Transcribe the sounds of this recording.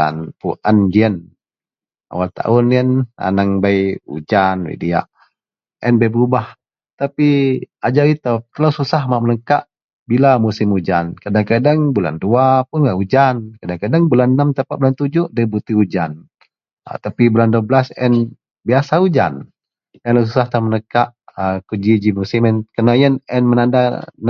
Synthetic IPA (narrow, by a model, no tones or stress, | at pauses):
a̰npuʔand͡ʒiən | a̰walt̪a̰ʊniəna̰naŋbajṵd͡ʒanwḭdia̰ʔ | ʔɛnbajbəɾubah | t̪apiad͡ʒaɾit̪at̪əlawsusahmaʔmələŋkaʔ | bilamusɪmud͡ʒankadaŋkadaŋbula̰nduapʊnŋaʔud͡ʒankadaŋkadaŋbulanːamt̪əpaʔ̚bulant̪ud͡ʒʊʔdaibut̪iud͡ʒa̰n | a̰t̪apibulanduabəlasɛn | biasaud͡ʒa̰n | ɛnlas̬usaht̪amənəkaʔəkud͡ʒid͡ʒimusɪmɛnkənajənɛnmənandan